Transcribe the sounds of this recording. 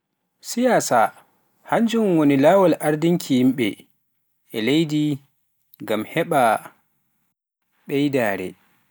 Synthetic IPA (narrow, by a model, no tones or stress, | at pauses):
sijaːsa | haɲd͡ʒumwonilaːwalʔaɾdiŋkʰijimɓɛ | ɛlejdi | ŋɡamhɛɓa | ɓɛjdaːɾɛ̰